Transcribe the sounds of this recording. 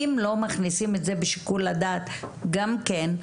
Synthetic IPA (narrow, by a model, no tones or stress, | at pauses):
imlo̞maχnisime̞tze̞beʃi̥kulːadaːt̪ɡamken